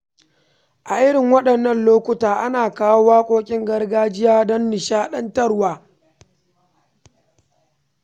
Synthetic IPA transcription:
ʔa˨ʔɪ˦ɽɪ˨ŋwɐ˦ɗɐ˨nːɐ˦nloː˦kʷʊ˨taː˨ʔa˦naː˨kaː˦wo˦waː˦kʷʼoː˦kʲʼɪ˦ŋɡɐ˦rɡaː˦d͡ʒɪ˦jaː˦dɔ˦nːɪ˨ʃaː˦ɗɐ˦ntɐ˦rwaː˨

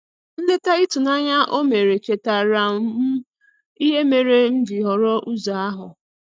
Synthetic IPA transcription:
n̩˦le˦ta˦i˦tu˨na˦ɲa˦ʔo˦me˨ɾe˨t͡ʃe˨ta˨ɾa˨˦m˦ | i˦ɦe˦me˨ɾe˦n̩˦d͡ʒi˨ɦɔ˨ɾɔ˦ʔu˦za˨a˦ɦʊ˨

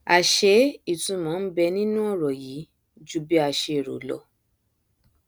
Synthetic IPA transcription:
a˨ʃe˧˦i˦˨tũ˧˦mɔ̃˨˦bɛ˧nĩ˦nũ˦ɔ˦˨ɾɔ˨ji˨˦ | d͡ʒu˦bi˦a˧ʃe˧˨ɾo̰˨lɔ̰˧˦

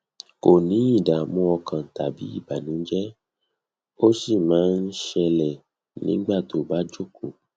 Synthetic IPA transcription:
ko˨nĩ˨˦i˦˨da˨mũ˧˦ɔ˧kã˨ta˨bi˨˦i˦˨ba˨nĩ˨˦d͡ʒɛ˦ | o˦si˦˨mãː˨˦n̩˦ʃɛ˧lɛ˨ | nĩ˦ɡ͡ba˦˨to˨˦˨ba˦d͡ʒo˦˨ko˨

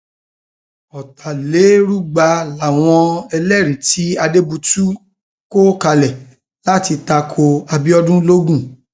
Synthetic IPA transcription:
ɔ˨tʰa˨le˨˦ɾu˦˨ɡ͡ba˧la˨w̃ɔ̃˧ɛ˧lɛ˦˨ɾi˨ti˨˦a˧de˦bu˧tu˦ | ko˦ka˧lɛ˨ | la˦ti˧ta˧kʰo˧a˧bi˦ɔ˦dũ˦lo˦ɡũ˦˨

